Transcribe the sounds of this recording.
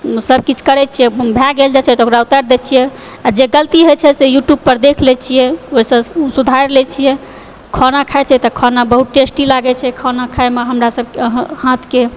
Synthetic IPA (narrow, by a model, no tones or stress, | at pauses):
səb̚ʱkit͡ʃʰkəɾɛt͡ʃʰijɛbʱɛɡeld͡ʒat͡ʃʰaɛt̪ɔokɾaut̪aɾd̪ɛt͡ʃʰijɛ | ad͡ʒeɡəlt̪iɦojt͡ʃʰɛsejuʈjub̚pəɾd̪ekʰlɛt͡ʃʰijɛoisə̃sud̪ʱaɾlɛt͡ʃʰijɛ | kʰɔnakʰajt͡ʃʰɛt̪ɔkʰɔnabəɦut̪ʈesʈilaɡɛt͡ʃʰɛkʰɔnakʰaemeɦəmɾasəbkhãt̪ʰke